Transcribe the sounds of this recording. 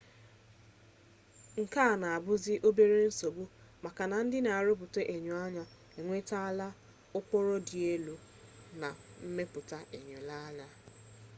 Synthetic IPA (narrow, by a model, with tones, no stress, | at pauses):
ŋ̩˨ka˦˨na˨a˨bʊ˦zɪ˦ʔo˦be˦ɾe˦n̩˦so˨bʊ˦ | ma˨ka˨na˨n̩˦dɪ˦na˨a˨ɾʊ˦p̬ʊ˨te˦ʔe˨ɲo˨a˦ɲa˨ | e˨ŋʷe˦ta˦a˦la˦ | ʊ˦kɔ˦ɾɔ˦di˨e˦lo˨ | na˨m̩˦me˦pʊ˨ta˦ʔe˨ɲo˨la˦la˦